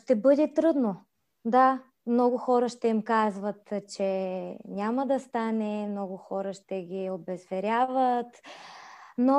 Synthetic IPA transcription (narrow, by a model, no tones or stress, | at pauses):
ʃt̪ɛbɤd̪ɛt̪ɾɤd̪no | d̪a | mnɔɡʊxɔɾəʃt̪ɛimkazvət̪t͡ʃɛnʲamɐd̪ɐst̪anɛmnɔɡʊxɔɾəʃt̪ɛɡʲiobɛzvɛɾʲjavət̪ | no